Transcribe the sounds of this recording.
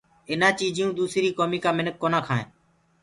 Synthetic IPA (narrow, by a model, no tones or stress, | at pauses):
ɪnãːt͡ʃiːd͡ʒiːũːd̪uːsɾiːkoːmiːkaːmɪnək̚kːoːnãːkʰaːḛ̃ː